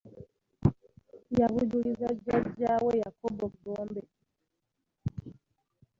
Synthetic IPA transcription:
jaβudulizad͡ʒad͡ʒawejakoboɡoːmbe

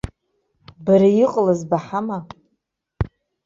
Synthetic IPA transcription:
baɾajiqʼlazbaħama

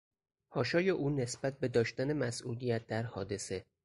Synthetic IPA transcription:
hɒːʃɒːjeʔuːne̞sb̥æt̪̚ʰbe̞d̪ɒːʃt̪æne̞mæsʔuːlijæt̪̚d̪æɾhɒːd̪e̞se̞

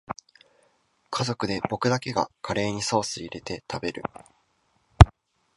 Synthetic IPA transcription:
kʰazo̞kɯ̟d̪e̞bo̞kɯ̟d̪ake̞ɡa̰kʰaɾe̞ːɲ̟iso̞ːsɨiɾe̞t̪e̞t̪ʰabe̞ɾɯ̟̰

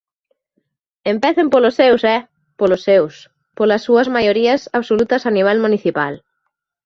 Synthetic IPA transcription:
empɛθempolosːewsɛ | polosːews | polɐsːuɐzmajoɾiɐsaβsolut̪ɐsaniβ̞ɛlmũniθipal

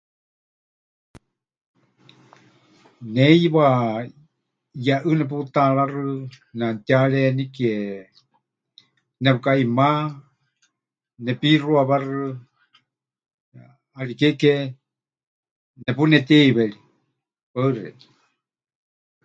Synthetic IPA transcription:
nɛjβa | jaʔɨnɛp̬ut̪aɺarɨ | nant̪iaɺɛnikiɛ | nɛpukaima | nɛpiruaβarɨ | aɺikɛkɛ | nɛpunɛt̪ɛiβɛɺi | paɨrɛ̰

